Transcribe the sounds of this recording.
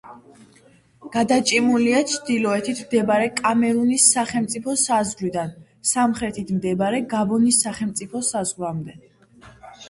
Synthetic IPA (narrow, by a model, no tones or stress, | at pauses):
ɡ̥ad̪at͡ʃʼimuliat͡ʃʰd̪ilɔɛt̪ʰit̪ʰmd̪ɛbaɾɛkʼamɛɾunisːaχɛlmt̪sʼipʰɔsazʁɾid̪an | samχɾɛt̪ʰit̪ʰmd̪ɛbaɾɛɡabɔnisːaχɛlmt̪sʼipʰɔsazʁɾamd̪ɛ